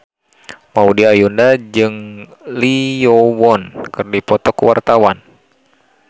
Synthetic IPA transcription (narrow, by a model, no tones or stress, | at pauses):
maudiajundad͡ʒɨŋliɔwɔnkɨrdipɔt̪ɔkuwa̰rt̪awan